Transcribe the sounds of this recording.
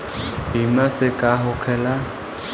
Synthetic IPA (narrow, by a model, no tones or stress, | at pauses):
ɦimasɪkʼaɦʊkʰɛla